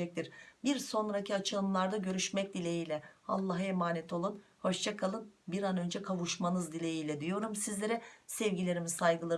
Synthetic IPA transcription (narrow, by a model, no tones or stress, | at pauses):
ɛc̚t̪ʰiɾbiɾso̞nɾacʰiat͡ʃʰɯlˠɯmlˠaɾd̪aɟø̞ɾyʃmɛc̚d̪ilʲejiːlʲɛa̰lˠːaɦemaːnɛt̪ʰo̞lˠunho̞ʃt͡ʃʰakʰalˠɯnbiɾanø̞nd͡ʒɛkʰavuʃmanɯzd̪ilʲejiːlʲɛd̪yjo̞ɾumsizlʲe̞ɾɛsɛvɟilʲe̞ɾimizsajɡɯlˠa